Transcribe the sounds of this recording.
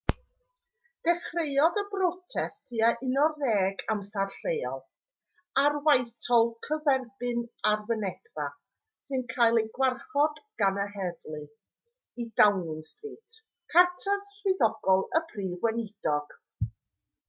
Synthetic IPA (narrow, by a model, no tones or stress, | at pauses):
d̥ɛχrejɔðəbrɔtʰɛstʰiaʔɪnɔrɛːɡamsarɬejɔ̰lˠ | arwajtʰɔlˠkʰəvɛrbɨnarvənɛd̥ra | sɨnkʰaːjlˠejɡwarχɔdɡ̥anəhɛvlˠɨ | idawnɪnstʰriːtʰ | kʰartʰɔðɬɨðɔɡ̥ɔlˠəpʰriːvwɛnɪdɔɡ̥